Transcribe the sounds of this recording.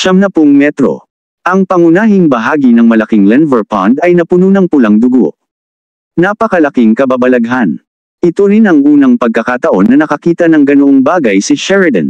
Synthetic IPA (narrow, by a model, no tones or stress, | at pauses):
ʃɐmnɐpoŋmɛt̪ɾo̞̰ | ʔɐŋpɐŋʊnaːɦɪŋbɐɦaːɡinɐŋmɐlɐkiŋlɛnvɛɹpa̰nd̪ɐjnɐpʊnunɐŋpʊlɐŋd̪ʊɡo̰ʔ | napɐkɐlɐkiŋkɐbabɐlɐɡɦan | ʔɪt̪oɾinɐŋʔuːnɐŋpɐɡ̚kɐkat̪ɐʔo̞nːɐnɐkɐkiːt̪ɐnɐŋɡɐnoʔoŋbaːɡɐjsɪʃɛɹɐd̪ɛ̰n